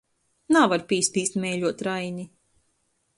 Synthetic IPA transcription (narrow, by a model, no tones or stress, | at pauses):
navaɾpiːst̪iːst̪mɛjʎʲuɔt̪ɾajɲi